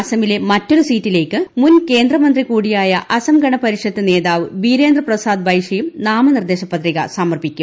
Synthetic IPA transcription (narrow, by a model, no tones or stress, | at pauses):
ɐsɐmile̞mɐtːoɽusiːtːile̞ːkːɨmunke̞ːnd̪rɐmɐnd̪rikuːɽijaːjɐʔɐsɐmɡɐɳɐpɐɾiʂɐt̪ːɨne̞ːðaːʋɨʋiːɾe̞ːnd̪rɐprɐsaːd̪̚bʱɐjʂɐjumnaːmɐnird̪eːɕɐpːɐt̪riɣɐ̰saːmɐrpikʲːu